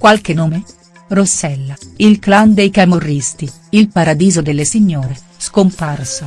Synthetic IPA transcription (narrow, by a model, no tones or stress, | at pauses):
kwalkenoːme | rosːɛlːailkland̪ejkamorːist̪i | ilpaɾad̪iːzod̪elːesiɲːoːɾe | skomparsa